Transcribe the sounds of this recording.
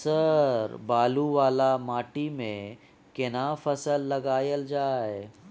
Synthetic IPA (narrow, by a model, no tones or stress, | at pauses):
səɾbaːluʋaːlamaːʈimẽ | kɪnaːfəsəlːɐɡaːjəld͡ʒaːje